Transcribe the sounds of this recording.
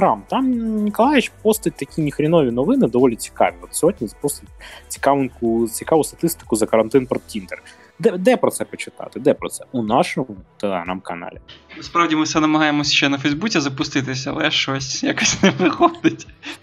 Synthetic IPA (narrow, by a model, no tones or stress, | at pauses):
ɾɑmt̪ɑmnʲikɔlˠɑjɪt͡ʃpɔst̪ɐt̚ʲt̪ɐkʲinʲixɾʲinɔʋʲinɔʋɪnɪd̪ɔʋɔlʲit͡sʲi̥kɑ̰ʋʲiɔt̪sʲɦɔd̚ʲnʲizɐpust̪ɐtʲt͡sʲi̥kɑʋnkʊt͡sʲikɑʋʊst̪ɐ̥t̪ɪst̪ɪ̥kʊzɐkɐɾɐnt̪ɪnpɾɔt̪tʲint̪ɛr | d̪ɛd̪ɛpɾɔtsɛpɔt͡ʃɪt̪ɑ̰t̪ɪd̪ɛpɾɔt̪sɛunɑʃɔmʊt̪elˠeɦɾɑmkɐnɑ̰lʲinʊspɾɑʋdʲimɨfsɛnɐmɐɦɑjemɔsʲʃt͡ʃɛnɐfɛjzbut͡sʲɪzɐpʊst̪ɪt̪ɪsʲɐɐ̰lˠɛʃɔsʲjakɔsʲneʋɪxɔd̪ɪtʲ